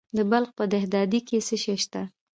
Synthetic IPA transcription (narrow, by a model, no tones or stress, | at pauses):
d̪əbalxpəd̪ahd̪ɑd̪ikesəʃeʃt̪a